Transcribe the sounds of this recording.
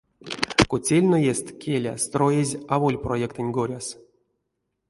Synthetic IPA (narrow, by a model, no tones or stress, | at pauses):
kut͡sʲelʲnojest̪kʲʰelʲa̰st̪rojezʲavolʲprojekt̪ɨnʲɡoɾʲas